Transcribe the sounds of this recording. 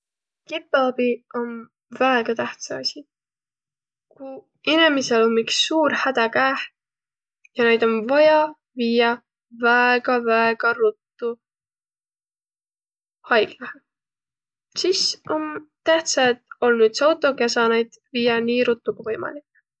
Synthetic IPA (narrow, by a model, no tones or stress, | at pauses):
kipˑːeɑb̥io̞n | væeɡ̥ɑt̪æht̪sɑɑsʲi | ku | inemiselomːiksːuːɾhæd̪̥ɑkæːh | jɑne̞jd̪̥o̞nvɑjɑ | viːjɑ | væeɡ̥ɑvæeɡ̥ɑɾut̪ːu | hɑjɡ̥lɑhe | sisont̪æht̪sɑt̪o̞lnyːd̪sɑwt̪ˑo̞kjɑsɑːnejd̪̥viːjɑniːɾut̪ːˑuɡ̥uvɤ̞jmɑ̰lik